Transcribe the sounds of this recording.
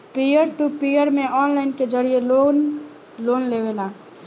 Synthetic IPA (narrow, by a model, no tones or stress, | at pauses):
pijəɾʈupijəɾmẽɔnlaɪnked͡ʒəɾijeo | lonleβela